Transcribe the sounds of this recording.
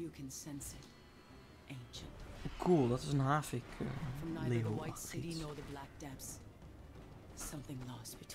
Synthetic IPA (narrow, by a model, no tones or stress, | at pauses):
jɨkʰɨ̃nsɛ̃nsɪɾ | ʔẽɪ̃nʃɨ̰̃ntkʰulˠdətɪzə̃nɦaːfɪkʰə̰fɹʌ̃mnalewaɪsɪɾinə˞ðɨblæk̚d̥ɛps | sʌ̃mθɪ̃ŋlɔsb̥ɨtʰ